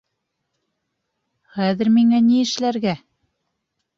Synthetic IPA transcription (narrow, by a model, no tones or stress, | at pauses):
χæðɘ̆ɾmiŋæniɘ̆ʃlæɾɡæ